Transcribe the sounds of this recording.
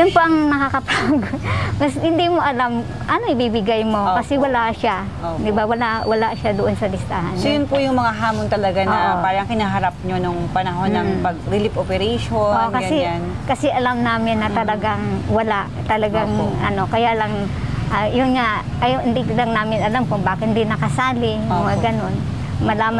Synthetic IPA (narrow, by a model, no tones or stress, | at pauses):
jʊnpɐʔɐŋnɐkakɐpaɡomɐshɪnd̪imoʔɐlam | ʔɐno̞ʔɪbibɪɡajmo̞kɐsɛwɐlaʃa | od̪ɪbawɐlawɐlaʔʃad̪oʔonsɐlɪst̪aha̰nnsojʊnpʊjʊŋmɐŋaɦaːmont̪ɐlɐɡanɐpaːɾɐŋkɪnaɦɐɾap̚ɲonoŋpɐnɐɦonːɐŋpɐɡ̚ɾɪlɪpʔopɛɾɛʃookɐɡɐɲɛan | kɐsɛʔɐlamnaːmɪnːɐt̪ɐlɐɡaŋwɐlaʔt̪ɐlɐɡaŋʔɐ̰no̞kɐjalɐŋ | ʔajʊnŋaʔ | ɐjohɪnd̪ilɐŋnaːmɪnɐlamkʊŋbaːkɪt̪hɪnd̪inɐkɐsaːlɪjʊŋmɐŋaɡɐno̞n | mɐlaːm